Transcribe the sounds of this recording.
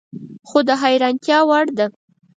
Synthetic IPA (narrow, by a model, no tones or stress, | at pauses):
xod̪əɦajɾɑnt̪jɑwaɽd̪a